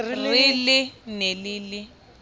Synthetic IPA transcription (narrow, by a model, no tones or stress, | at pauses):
lwilɪneliːlɪ